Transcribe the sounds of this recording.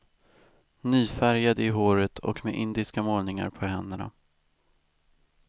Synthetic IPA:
nyːfæɾjad̪əɪɦoːɾət̪ʰɔ̰kmeʔɪnd̪ɪskamoːlnɪŋa̰ɾpʰɔɦɛnd̪əɳa̰

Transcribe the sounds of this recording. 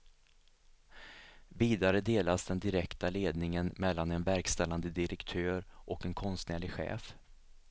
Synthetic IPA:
viːd̪aɾəd̪eːlasd̪ɛnd̪ɪɾɛkt̪aleːd̪nɪŋənmɛlːanɛnvæɾkst̪ɛlːand̪əd̪ɪɾɛkt̪ʰøːɾʔɔkɛnkʰɔnst̪næːɭɪɧɛ̰ːf

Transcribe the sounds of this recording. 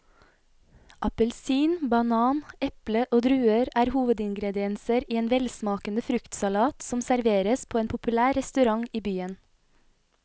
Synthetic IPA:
ʔɑpəlsiːnbɑnɑːnɛpləʔoːd̪ɾʉːəɾæːɾhuːʋəd̪ɪŋɡɾɛd̪ɪɛnsəɾiːeːnʋɛlsmɑːkənəfɾʉkt̪sɑlɑːt̪sɔmsæɾʋeːɾəspʰoːeːnpʰʊpʉlæːɾɛst̪ʉɾɑŋiːbyːən

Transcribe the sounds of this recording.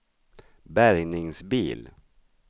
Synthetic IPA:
bæɾjnɪŋsbḭːl

